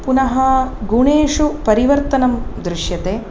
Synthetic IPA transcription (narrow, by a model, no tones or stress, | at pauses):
punɐɦɐɡuɳeːʂupɐɾiʋɐɾt̪ɐnɐmd̪ɾuʂjɐt̪eː